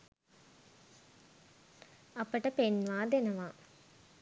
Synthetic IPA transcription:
ɐpəʈəpenʋaːd̪enəʋaː

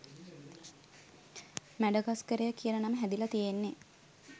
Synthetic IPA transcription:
mæɖəɡaskəɾejəkijənənaməɦæd̪ilat̪ijenːe

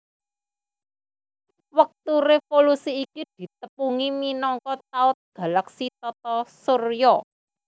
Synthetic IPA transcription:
wək̚t̪uɾefolusiːkid̪̥i̤t̪̚əpuŋiminɔŋkɔt̪̚aʊt̪̚ɡ̥a̤laksit̪ɔt̪ɔsurjɔ

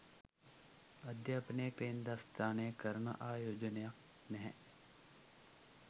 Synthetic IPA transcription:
ɐd̪jɐɐpneːkɾeːnd̪ast̪ʰaːneːkɐɾnɐ̰ʔaːjoːd͡ʒənjak | nɛɦɛ̰̃

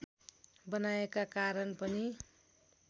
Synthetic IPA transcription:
bʌnaekakaɾʌnpʌni

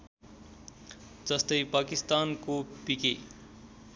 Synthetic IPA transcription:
d͡zʌst̪ʌjpakist̪ankopike

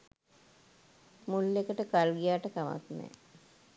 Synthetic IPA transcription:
mulːekəʈəkalɡijaːʈəkama̰t̪nɛ̰

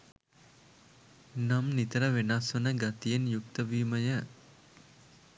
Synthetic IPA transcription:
namnit̪əɾəʋenasʋənəɡat̪ijenjuk̚t̪əʋiːməjə

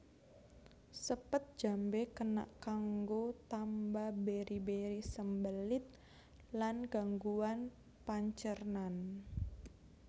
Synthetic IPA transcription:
səpət̪̚d͡ʒ̥a̤mbekəna̰ʔkaŋɡot̪ambabeɾibeɾisəmbəlɪt̪̚ | lanɡ̥aŋɡuan | paɲt͡ʃərnan

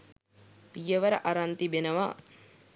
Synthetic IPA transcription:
pijəʋəɾəʔaɾant̪ibenəʋa

